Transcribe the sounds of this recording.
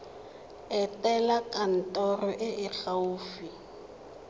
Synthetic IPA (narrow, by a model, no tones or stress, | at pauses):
ɛtʼɛlakʼan̩tʼɔrɔʔɪʔɪk͡xauːfi